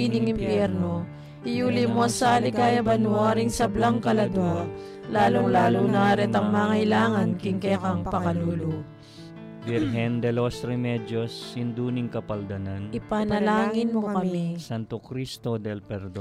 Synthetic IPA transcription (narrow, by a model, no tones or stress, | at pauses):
inɪŋɪmpjɛɾno | ʔɪjulɪmosaːlɪkaːjɐbɐnwaɾiŋsɐblaŋkɐlɐd̪ɐ | laːloŋlaːloŋnaːɾɛt̪ɐŋmaːŋɐjlaːŋɐnkɪŋkɛkɐŋpɐkɐluːlo | biɾɦɛnd̪ɛlosɾɛmɛd͡ʒosjʊnd̪unɪŋkɐpɐld̪ɐnanʔɪpanɐlaːŋɪnmokɐmisant̪okɾist̪od̪ɛlpɛɾd̪